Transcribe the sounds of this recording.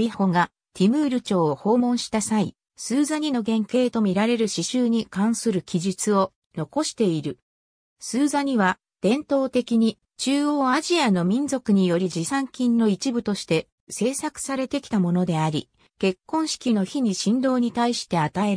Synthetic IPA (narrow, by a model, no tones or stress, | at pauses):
iho̞ɡa | t̪ʰʲimɯ̟ːɾɯ̟t͡ɕo̞ːho̞ːmõ̞ɰ̃ɕi̥t̪asai | sɨːzaɲ̟ino̞ɡẽ̞ŋke̞ːt̪o̞mʲiɾaɾe̞ɾɯ̟ɕiɕɨːɲ̟ikãɰ̃sɨɾɯ̟kʲiʑit͡sɨo̞ | no̞ko̞ɕi̥t̪e̞iɾɯ̟ | sɨːzaɲ̟iβa | d̪̥ẽ̞nt̪o̞ːt̪e̞kʲiɲ̟i | t͡ɕɨːo̞ːaʑiano̞mʲĩnzo̞kɯ̟ɲ̟ijo̞ɾʲiʑisãŋkʲĩnːo̞it͡ɕibɯ̟t̪o̞ɕi̥t̪e̞ | se̞ːsakɯ̟̥saɾe̞t̪e̞kʲi̥t̪amo̞no̞d̪e̞aɾʲḭ | ke̞kːõ̞ɰ̃ɕi̥kʲino̞çiɲ̟iɕĩnd̪o̞ːɲ̟it̪aiɕi̥t̪e̞at̪aeɾ